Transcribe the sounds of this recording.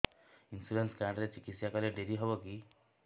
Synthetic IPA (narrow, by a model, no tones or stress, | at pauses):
insuɾenskaɽɖɾet͡ʃikit̪sjakɔleɖeɾiɦɔbɔki